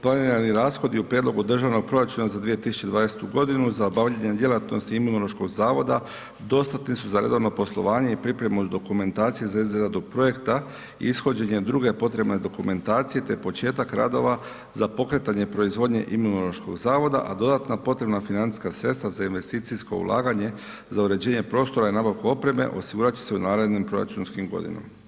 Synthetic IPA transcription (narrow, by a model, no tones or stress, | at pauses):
plˠaniɾaniɾaːsxo̞d̪iupɾjed̪lˠo̞ɡud̪r̩ʒaʋno̞ɡ̚pɾo̞ɾat͡ʃunazad̪ʋije̞t̪isu̥t͡ʃe̞d̪ʋaːnese̥t̪uɡo̞d̪inuzaobaʋʎeɲed̪je̞lat̪no̞st̪iimunolˠo̞ʃko̞ɡzaːʋo̞d̪a | d̪o̞st̪at̪nisuzaɾe̞̰d̪o̞ʋno̞po̞slˠo̞̰ʋaːɲe̞ipɾipɾe̞mud̪o̞kume̞nt̪aːt̪sijezaizɾad̪upɾo̞je̞kt̪a | ḭisxo̞d͡ʑe̞ɲe̞d̪ɾuɡe̞po̞t̪ɾe̞bne̞d̪o̞kume̞nt̪aːt̪sije̞t̪e̞po̞t͡ʃe̞ːt̪akɾa̰d̪o̞̰ʋa | zapo̞kɾe̞t̪aɲepɾo̞izʋo̞d̪ɲe̞̰ʔimunolˠo̞ʃko̞̰ɡzaːʋo̞d̪a̰ʔad̪o̞d̪at̪napo̞t̪ɾe̞bnafinant̪i̥skasɾe̞t̪st̪ʋazainʋe̞st̪iːt̪sisko̞̰ṵlʔa̰ːɡaɲe̞ | zauɾe̞d͡ʑe̞ːɲe̞pɾo̞ːst̪o̞ɾainaːbaʋkuo̞pɾe̞me̞̰ʔo̞siɡuːɾat͡ɕi̥seunaːɾed̪nimpɾo̞ɾa̰t͡ʃunskimɡo̞̰d̪ḭno̰ma